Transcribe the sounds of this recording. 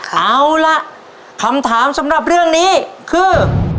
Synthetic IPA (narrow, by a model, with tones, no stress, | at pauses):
kʰa˦˥˩wla˦˥ʔ | kʰa˧˥mt̪ʰaː˩˦msa˩˦mɾa˨˩p̚ɾɯ˥˩əŋniː˦˥kʰɯː˧˩